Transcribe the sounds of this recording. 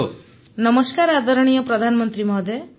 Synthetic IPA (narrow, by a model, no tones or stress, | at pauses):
nɔmɔskaɾad̪ɔɾɔɽ̃ijɔpɾɔd̪ʱanɔmɔnt̪ɾimɔd̪ʱe